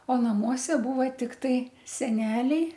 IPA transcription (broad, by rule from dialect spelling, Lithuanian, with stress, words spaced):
oː nɐˈmuɔsʲɛ ˈbuːʋɐ ˈtʲɪktɐɪ sʲɛˈnʲæːlʲɛɪ